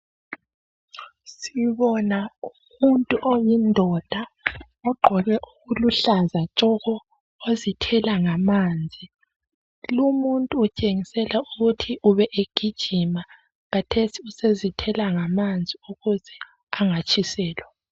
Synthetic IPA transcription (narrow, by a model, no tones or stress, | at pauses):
siβɔnau | muntʼuʔojindʱɔd̥ʱa | ɔɡ͡ǃʱɔɣɛʔuɣuluɬazat͡ʃʼɔɣɔ | ozitʰɛlaŋamaːnd͡zʱi | lumuntʼuːt͡ʃʼeŋisɛlauɣutʰiʔuβɛʔeɡ̥ʱid̥ʒ̥ʱima | ɣatʰesiusezitʰɛlaŋamand͡zʱiuɣuzɛ | aŋat͡ʃʼʰisɛːlwa